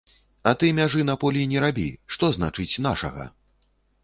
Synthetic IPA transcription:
ɐt̪ɨmʲaʐɨn̪ɐpɔlʲinʲɛɾabʲḭʂt̪ɔzna̰t͡ʂɨt͡sʲnaʂɐ̰ɣɐ̰

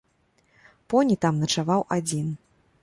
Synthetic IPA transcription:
pɔnʲit̪amnɐt͡ʂavawʔad͡zʲin

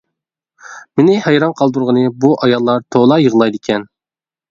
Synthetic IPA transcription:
mɪnɪhɛjɾɑnqʰɑlˠd̪uɾʁənɨbuʔɑjɑlˠːɑɾt̪ʰolˠɑjəʁlˠɑjd̪ɪkʲʰɛn

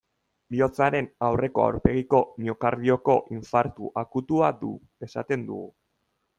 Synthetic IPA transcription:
bio̞t͡saɾe̞nawre̞ko̞a̰wɾpe̞ɣiko̞nio̞kaɾðio̞ko̞ʔiɱfaɾt̪uʔakut̪uad̪ṵ | e̞sa̰t̪e̞nd̪ṵɣu

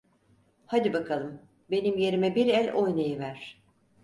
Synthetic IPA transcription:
had̪ibakʰalˠɯm | be̞nimje̞ɾimɛbiɾɛlʲʔojnajɯvæɾ̥

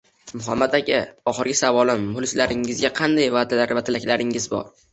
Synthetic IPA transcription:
mʊɦamːad̪aɡʲɪɒχɨɾɡʲɪsavɒlɪmːʊlˠɪslaɾɪŋɪzɡʲaqʰɑnd̪ajvad̪alaɾvat̪ʰɪlakʲlaɾɪŋɪzbɒ̰ɾ

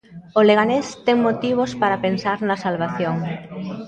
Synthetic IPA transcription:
oleɣanest̪ɛŋmot̪iβ̞ospaɾapensaɾnɐsalβaθjoŋ

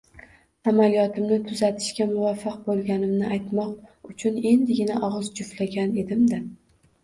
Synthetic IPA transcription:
amalijɒt̪ɪmnɪt̪ʰʊzat̪ʰɪ̥ʃkʲamʊvafːɪq̚bolˠɡʲanɪmnɪʔajt̪mɒqʊt͡ʃʰʊne̞nd̪ɪɡʲɪnaʔɒʁɨzd͡ʒʊflaɡʲane̞d̪ɪmd̪ɪ

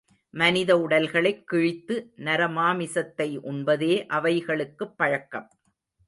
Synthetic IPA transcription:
mɐnɪðɐʊɽɐlɣɐɭɐɪkːɪɻɪt̪ːɯnɐɾɐmaːmɪsɐt̪ːɐɪʔʊnbɐðeːʔɐʋɐɪɣɐɭɯkːɯpːɐɻɐkːɐm

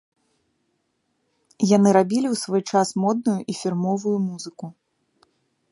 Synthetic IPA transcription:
janɨɾabʲilʲiwsvɔjt͡ʂasmɔd̪̚nujuʔifʲirmɔvujumuzɨku

